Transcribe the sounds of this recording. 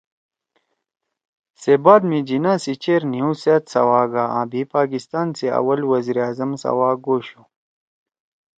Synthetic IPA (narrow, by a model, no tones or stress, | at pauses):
sebaːd̪mid͡ʑinãːsit͡ɕeːɾniũseːt̪sɐ̰waːɡaːã̰ːbiːpaːkist̪aːnseɐ̰wɐlwɐziɾaːzɐmsɐ̰waːɡoːɕu